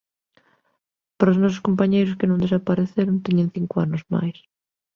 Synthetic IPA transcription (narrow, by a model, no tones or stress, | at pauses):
paɾaosnɔs̬ʊskompaɲejɾʊskɪnõŋd̪esapaɾeθeɾʊnt̪iɲẽŋθiŋkʊa̰nʊzma̰js